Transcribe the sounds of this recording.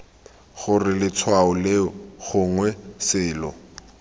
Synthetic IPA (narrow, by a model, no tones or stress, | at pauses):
χʊrɪlɪt͡sʰwaɔleɣʊŋwɛsɪːlɔ̰